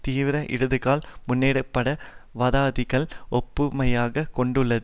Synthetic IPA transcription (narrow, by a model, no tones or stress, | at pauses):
t̪iːʋɪɾɐʔɪ̰ɾɯðɯɣaːlmʊnːeːɽɯpːɐɽɐʋɐðaːðɪɣɐɭɔpːɯmɐjaːɣɐkɔɳɖɯɭːɐðɯ